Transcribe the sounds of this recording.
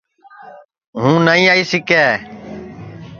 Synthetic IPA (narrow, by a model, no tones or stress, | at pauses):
ɦũːnaːĩːaːiːsɪkɛː